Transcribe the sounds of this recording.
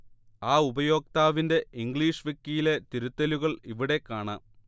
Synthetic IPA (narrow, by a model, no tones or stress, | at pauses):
aːubɐjo̞ːk̚t̪aːʋinde̞iŋɡɭiːʂʋekːijile̞t̪iɾut̪ːɐluɣɐɭiʋiɽe̞kːaːɳa̰ː